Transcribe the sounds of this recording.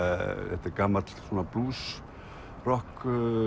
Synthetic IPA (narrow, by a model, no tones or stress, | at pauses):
θɛ̰ht̪ɛɾkaːmat̪lsɔːnapluːs | rɔhk